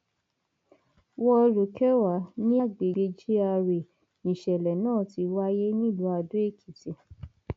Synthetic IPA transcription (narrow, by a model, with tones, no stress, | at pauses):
wɔ˦˧ɾo˨kɛ˦wa˨˦nĩ˦a˦˨ɡ͡be˨ɡ͡be˧d͡ʒi˦a˧ɾe˨ | nĩ˨ʃɛ˨lɛ˨nãː˦˨ti˧wa˦je˦nĩ˦˨lu˨˦a˧do˨˦e˦˨kʰi˨te˧˦